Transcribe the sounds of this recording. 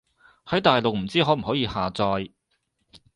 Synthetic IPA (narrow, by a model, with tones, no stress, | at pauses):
hɐ˨˥jt̪aː˨jlo˨k̚m̩˨˩t͡siː˥ɦɔː˨˥m̩˨˩hɔː˨˥jiː˧haː˨t͡sɔː˧j